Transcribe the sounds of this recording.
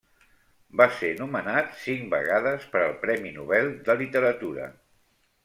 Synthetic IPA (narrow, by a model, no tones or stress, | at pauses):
basenumənat̪siŋbə̰ɣaðəspəɾəlˠpɾɛminuβɛlˠd̪əlit̪əɾət̪uɾə̰